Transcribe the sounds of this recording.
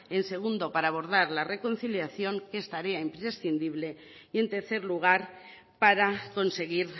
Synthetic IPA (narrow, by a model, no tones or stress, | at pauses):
e̞nse̞ɣ̞und̪o̞paɾaːβ̞o̞ɾð̞aɾlare̞ko̞n̟θiljaθjo̞ŋkest̪aɾeaimpɾe̞sθind̪iβ̞le̞ | ie̞nt̪e̞ɾθe̞ɾluɣ̞aɾ | paɾako̞nse̞ɣ̞iɾ